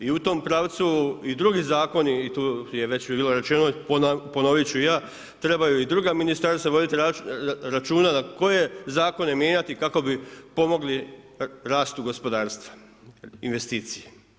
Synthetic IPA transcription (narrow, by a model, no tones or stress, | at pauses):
iut̪oːmpɾaːʋt̪suid̪ɾuːɡizaːko̞niːt̪uːjeʋe̞t͡ɕbiːlo̞ɾe̞t͡ʃenopoponoʋit͡ɕuijaː | t̪ɾe̞bajuid̪ɾuːɡaminist̪aɾsaʋo̞d̪it̪iaɾat͡ʃuːnanako̞je̞zaːko̞ne̞mje̞ːɲat̪ikako̞bipo̞mo̞ɡli | ɾaːst̪uɡo̞spo̞d̪aːɾst̪ʋḁ | inʋe̞st̪iːt̪sije̥